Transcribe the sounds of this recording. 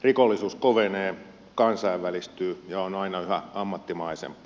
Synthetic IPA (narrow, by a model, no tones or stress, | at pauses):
rikolːisuːskoʋeneː | kɑnsɑiʋʋælist̪yːjɑonɑinɑyhæ̰ɑmːɑt̪ːimɑisḛmpːˑ